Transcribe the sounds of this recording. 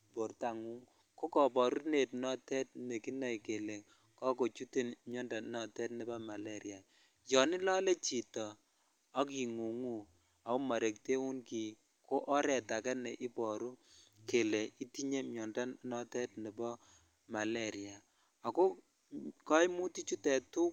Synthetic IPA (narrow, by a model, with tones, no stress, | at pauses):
po˨rta˨ŋu˦ŋ | ko˦kɔ˨pɔ˨ɾu˦ne˨tnɔ˦tɛ˦t̚ne˨ki˦na˨jke˨le˨ | kɔ˦ko˨t͡ʃu˦te˦nmjɔ˦nda˨nɔ˨tɛ˦tnɛ˨ba˦ma˨lɛ˦ɾi˨a˨ | jɔ˨nɪ˦lɔ˦le˦t͡ʃi˨tɔ˨ | a˦ki˨ŋu˨ŋu˦ | a˨o˦ma˨ɾe˨k̚te˦u˦nki˨ | kʰo˦ʔɔ˦ɾɛ˨ta˨kɛ˦ne˨ʔi˦pɔ˨ɾu˦ke˨le˨i˦ti˦ɲe˦mjɔ˨nda˦nɔ˦tɛ˦tnɛ˨bɔ˦ | ma˨le˦ɾi˨a˨ | a˨ko˦ | ka˦jmu˦ti˦t͡ʃu˦tɛ˨tu˦k̚